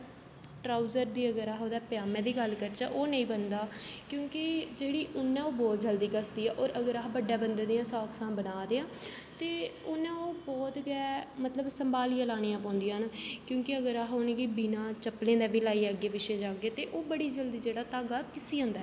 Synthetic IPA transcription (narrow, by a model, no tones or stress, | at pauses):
ʈɾaːuzəɾd̪iːəɡəɾaːɦoːd̪ɛːpɪjaːmɛ̃ːd̪iːɡəlkəɾt͡ʃa̰ːʔoːnəĩːbənd̪aːkjõːkɪd͡ʒeːɽiːʊnːɛ̃ːoːbɔːt̪̚d͡ʒəld̪iːkəsd̪iːɛːʔɔːɾəɡəɾaːɦbəɖːaːbənd̪ẽːd̪eãːsaːksãːbənaːd̪eːãː | t̪eːʊnɛ̃ːoːbɔːt̪ɡɛːmət̪ləbsəmbaːlijãːlaːnijãːpãːnd̪ijãːɦnkjõːkɪəɡəɾaːɦoːnẽːkiːbiːnãːt͡ʃəplẽːd̪aːbiːlaːiːɛːɡeːʋɪʃeːd͡ʒaːɡeːt̪eːʔoːbəɽiːd͡ʒəld̪iːd͡ʒeːɽaːt̪aːɡaːkɪsiːɦʊ̃ːnd̪aːɛ